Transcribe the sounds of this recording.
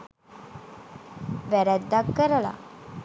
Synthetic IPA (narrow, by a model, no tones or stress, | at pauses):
ʋæɾɛt̪d̪akːəɾəla̰